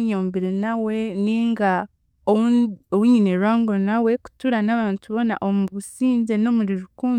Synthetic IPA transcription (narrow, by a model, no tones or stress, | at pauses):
ɲoːmbiɾenawe̞niŋɡa | oowuɲineɾwaːŋɡo̞nawe̞ku̥tuɾanaːβaːntuβo̞na̰ʔomuβusiːɲze̞no̞ːmuɾiɾukuːn